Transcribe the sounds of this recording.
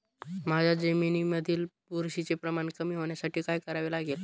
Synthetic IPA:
mad͡ʑʱad͡zəminiməd̪ʱiːlpuɾɕit͡sepɾəmaɳkəmiːɦoɳjasaʈʰiːkajkəɾaʋelaɡel

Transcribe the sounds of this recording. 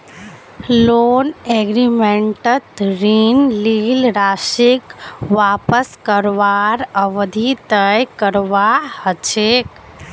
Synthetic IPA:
loːneːɡɾimẽɳʈət̪ɾiːnliːlɾaːʃikʋaːpəskəɾʋaːɾəʋd̪ʱit̪əjkəɾʋaːhət͡ʃʰeːk

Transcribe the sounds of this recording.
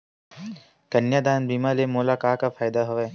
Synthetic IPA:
ɡ̥ɐnjaːd̪aːnbiːmalemoːlaːkaːkafʰaːɪd̪aɦoʋeː

